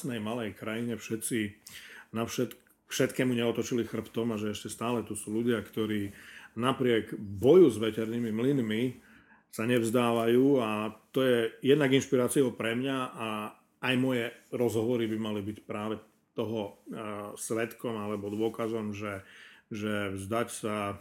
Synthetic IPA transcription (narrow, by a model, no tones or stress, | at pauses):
nɛjmalɛjkɾajiɲɛfʃɛt̪t͡sinafʃɛt̪ | fʃɛt̪kɛːmuɲɛɔt̪ɔt͡ʃilixr̩pt̪ɔmaʒɛɛʃcɛst̪aːlɛt̪usuːluɟɪakt̪ɔɾiːnapɾɪɛɡbɔjuzʋɛcɛɾnimimlinmi | saɲɛvzd̪aːʋajuːat̪ɔjɛjɛd̪naɡinʃpiɾaːt͡siɔʊpɾɛmɲaaː | jmɔjɛɾɔzɦɔʋɔɾibimalibicpɾaːʋɛ | t̪ɔɦɔ | sʋɛt̪kɔmalɛbɔd̪ʊɔkazɔmʒɛʒɛvzd̪acsa